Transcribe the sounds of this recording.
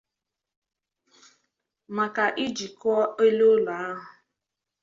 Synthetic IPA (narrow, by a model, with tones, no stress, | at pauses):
ma˨ka˨ʔi˦d͡ʒi˨kɔ˦e˦lo˦la˨˦ɦʊ˨